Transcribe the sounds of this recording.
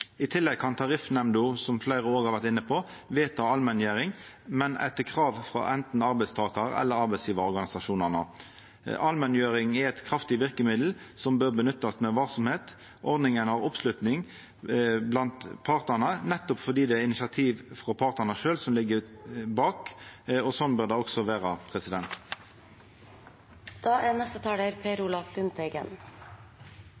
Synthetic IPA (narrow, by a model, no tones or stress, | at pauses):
ɪt̪ʰɪlːɛɡ̚kɑnt̪ʰɑʁɪfnɛmd̪ʊsɔmflæɪɾəoːʁɑɾʋæʁt̪ɪnːəpʰɔ | ʋeːt̪ʰɑɑlmɛnjøːɾɪŋ | mɛnʔæ̰t̪əkʰʁɑːʋfʁɑ̰ʔɛnt̪n̩ɑɾbɛɪst̪ʰɑːkɑɾɛ̰lːəɾɑɾbɛɪsjiːʋɑɔɾɡɑnɪsɑʃuːnənə̰ | ʔɑlmɛnjøːɾɪŋæɛɪt̪kʰɾɑft̪ɪʋɪʁkəmɪd̪l̩sɔmbøːʁbənʉt̪ːɑsmɛʋɑlsɔmheːt̪ | ʔɔʁd̪nɪŋənhɑːʁɔpslʉt̪nɪŋ | blɑnt̪pʰɑʁt̪ənənɛt̪ːɔpfɔd̪iːd̪ɛɪnɪsɑt̪ʰiːʋfʁɔpʰɑʁt̪ənəʃøːlsɔmlɪɡːəbɑːkɔsɔnbøːʁd̪ɑɔksɔʋæːʁɑpʰʁɛsɪd̪ɛnt̪ | d̪̥ɑːʔænɛst̪ət̪ʰɑːɽəɾpʰeːɾulɑfbʉnt̪ʰɛɡə̰n